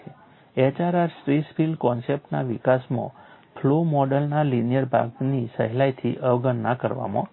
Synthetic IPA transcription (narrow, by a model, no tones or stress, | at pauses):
et͡ʃaɾaɾsɾispʰilɖkɔnsep̚ʈna̰ʋikasmã̰pʰlomɔɖəlnalinijəɾbʱa̰ɡnisəɦlajt̪ʰiʔəʋɡənːakəɾʋa̰mã̰